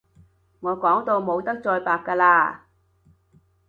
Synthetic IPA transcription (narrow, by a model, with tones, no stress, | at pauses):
ŋɔː˨˧kɔː˨˥ŋt̪o˧wmo˨˧wt̪ɐ˥k̚t͡sɔː˧jpaː˨˧p̚kaː˧laː˧